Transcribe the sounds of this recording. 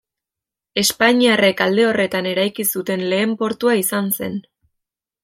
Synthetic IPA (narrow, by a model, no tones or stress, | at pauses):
e̞spaɲiare̞kald̪e̞o̞re̞t̪ane̞ɾajkisut̪e̞nle̞ːmpo̞ɾt̪uaisanse̞n